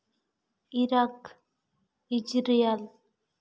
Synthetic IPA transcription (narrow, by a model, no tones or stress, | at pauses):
iɾak | id͡ʒɾijal